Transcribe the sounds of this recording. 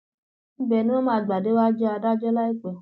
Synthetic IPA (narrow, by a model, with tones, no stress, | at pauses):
m̩˦bɛ˨nũ˦o˦mãː˦˨˦ɡ͡ba˨de˦wa˦d͡ʒɔ˦a˧da˦d͡ʒɔ˦la˦i˦k͡pɛ˨